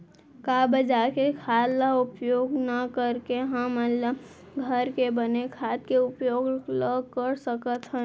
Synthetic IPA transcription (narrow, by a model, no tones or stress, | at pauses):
kaːbəd͡ʒaːkekʰaːlaʊpjoːɡnəkəɾkeɦə̃mələ | ɡʱəɾkebənekʰaːt̪̚keʊpjoːɡləkəɾsəkət̪ɦɛ̃